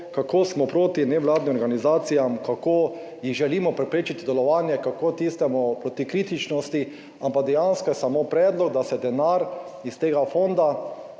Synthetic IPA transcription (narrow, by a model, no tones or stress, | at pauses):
kakoːsmɔpɾoːt̪inɛʋwlaːd̪nimɔɾɡanizaːt̪sijamkakoː | jiɣʒɛliːmɔpɾɛpɾeːt͡ʃit̪id̪ɛlɔʋaːnjɛkakot̪ist̪ɛmupɾot̪ikɾiːt̪it͡ʃnɔst̪i | ampaɡd̪ɛjanskɔjɛsamopɾɛːd̪lɔɡ̚d̪asɛd̪ɛnaɾist̪eːɡafond̪a